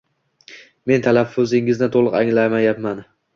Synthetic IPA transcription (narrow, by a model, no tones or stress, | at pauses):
me̞nt̪ʰalafɵzɪŋɪznɪt̪ʰolˠɨqaŋlajmajapman